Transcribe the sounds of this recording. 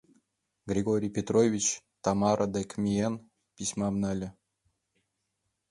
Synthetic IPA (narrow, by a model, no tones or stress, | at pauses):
ɡrʲiɡoɾʲijpʲet̪rovʲit͡ɕ | t̪ɑmɑɾʔɤ̆d̪ekʲmʲien | pʲisʲmɑmnɑlʲɘ̆